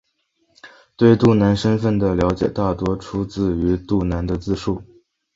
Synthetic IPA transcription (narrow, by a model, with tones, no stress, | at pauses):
t̪we˥˧ɪt̪u˥˩na˧˥nʂə˥nfə˥˩nd̪ə˩ljɑ˧˥ʊt͡ɕjɛ̰˨˩t̪a˥˩t̪wɔ˥ʈ͡ʂʰu˥t͡sɹ̩˥˩y˧˥t̪u˥˩na˧˥nd̪ə˧t͡sɹ̩˥˧ʂu˥˩